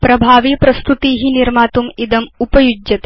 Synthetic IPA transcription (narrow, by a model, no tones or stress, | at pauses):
pɾɐbʱaːʋiːpɾɐst̪ut̪iːɦiniɾmaːt̪umid̪ɐmupɐjud͡ʒjɐt̪e